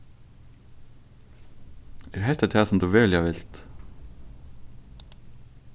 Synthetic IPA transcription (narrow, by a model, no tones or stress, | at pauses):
æːɾɦɛt̪ɛt̪ʰæːsɔmd̪ʉːʋɛːljaʋɪlt̪